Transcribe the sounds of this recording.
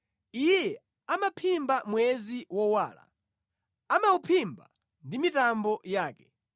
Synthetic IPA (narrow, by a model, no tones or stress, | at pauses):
ijɛ | amapʰimbamwɛziwɔwaːla̰ | amaupʰimba̰ | ndimitambɔjaːkɛ̥